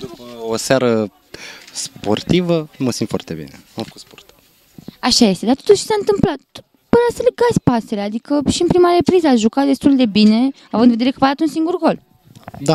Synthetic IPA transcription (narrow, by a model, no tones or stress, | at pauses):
d̪upəosaɾə | spo̞̰rt̪ivəməsimt̪fwa̰rt̪ebḭnḛamfə̥kut̪spo̞rt̪ | aʃaje̞st̪e̞d̪at̪ot̪uʃt͡ʃi̥saɨnt̪ɨmplat̪̚ | pəɾasəleɡat̪sʲpase̞lead̪ikəʃiɨnpɾimaɾe̞pɾizəaʒukat̪̚d̪e̞st̪uld̪e̞bine̞avɨnd̪ved̪eɾekəvad̪at̪unsiŋɡurɡo̞l | d̪a